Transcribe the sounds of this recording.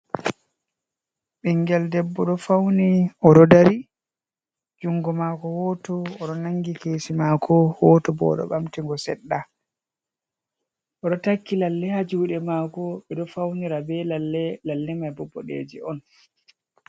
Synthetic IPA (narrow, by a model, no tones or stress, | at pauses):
ɓiŋɡɛldɛbːɔɗɔfawniɔɗɔdaɾi | d͡ʒuŋɡɔmaːkɔwɔtɔːɗɔnaŋɡikeːsimakʰɔwɔtɔbɔ̰ɗɔ̰ɓamtiŋɡɔsɛ̰ɗːa | ʔɔɗɔtakːilalːɛhad͡ʒuːɗɛmaːkɔɓɛɗɔfawniɾabɛlalːɛlalːɛmajbɔbːɔ̰ɗḛd͡ʒɛ̰ɔn